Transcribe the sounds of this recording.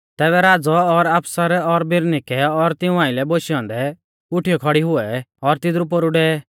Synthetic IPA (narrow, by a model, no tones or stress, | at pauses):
t̪ɛːβɛɾaːd͡zɔːɾaːpsaɾɛɔɾbɪɾnɪkɛɔɾt̪ɪũãːɪ̃lɛboʃijɔ̃ːnd̪ɛ | ʊʈʰijɔkʰɔɽiɦʊɛɔɾt̪ɪd̪ɾup̬ɔɾuɖɛ